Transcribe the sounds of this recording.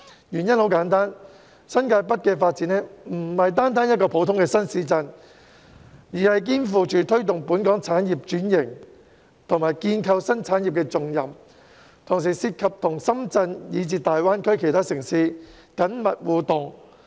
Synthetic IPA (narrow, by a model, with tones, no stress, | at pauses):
jyː˨˩njɐ˥nho˨˥wkaː˨˥nt̪aː˥n | sɐ˥nkaː˧jpɐ˥t̚kɛː˧faː˧t̚t͡siː˨˥nɛː˥m̩˨˩hɐ˨jt̪aː˥nt̪aː˥njɐ˥t̚kɔː˧pʰo˨˥wt̪ʰʊ˥ŋkɛː˧sɐ˥nsiː˨˥t͡sɐ˧n | jiː˨˩hɐ˨jk̬iː˥nfuː˨˧t͡ʃyː˨t̪ʰɵ˥ɥt̪̬ʊ˨ŋpuː˨˥nkɔː˨˥ŋt͡sʰaː˨˥njiː˨p̚t͡ʃyː˨˥njɪ˨˩ŋ | t̪ʰʊ˨˩ŋmaː˨˩jkiː˧nkʰɐ˧wsɐ˥nt͡sʰaː˨˥nji˨p̚kɛː˧t͡sʊ˨ŋjɐ˨m | t̪ʰʊ˨˩ŋs̬iː˨˩siː˧t̚kʰɐ˨p̚t̪ʰʊ˨˩ŋsɐ˥mt͡sɐ˧njiː˨˧t͡siː˧t̪aː˨jwaː˥nkʰɵ˥ɥkʰe˨jt̪ʰaː˥sɪ˨˩ŋsiː˧ | kɐ˨˥nmɐ˨t̚wuː˨t̪ʊ˨˩ŋ